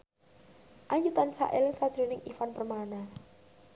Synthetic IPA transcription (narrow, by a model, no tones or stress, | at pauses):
ʔaɲd͡ʒut̪ansa̰ʔɪlŋsḁd̪̥ɾunɪŋifanpərmana